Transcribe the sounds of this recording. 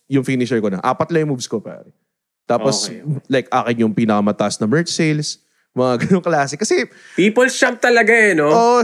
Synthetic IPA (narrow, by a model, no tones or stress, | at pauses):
jʊŋfiːnɪt͡ʃɛɹkonɐ̰ʔa̰ːpɐt̪lɐjʊŋmuːbskopa̰ːɾɛ | t̪aːposlajkʔa̰ːkɪnjʊŋpiːnɐkɐmɐt̪ɐʔɐsnɐmɛɹt͡ʃsejls | mɐŋaɡɐnoŋklaːsɛkɐsɛ | piːpolst͡ʃamp̚t̪ɐlɐɡaɛnooːʔʔ